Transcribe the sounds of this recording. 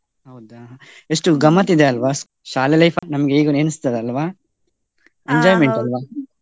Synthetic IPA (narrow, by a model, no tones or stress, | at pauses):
ɦɐwd̪aɦ | esʈuɡɐmːɐt̪ːid̪eɐlʋaː | ʃaːlelɐjfanɐmɐɡeiːɡɐneːnist̪ɐd̪eɐlʋaː | eɲd͡ʒaːjmeɳʈɐlʋaː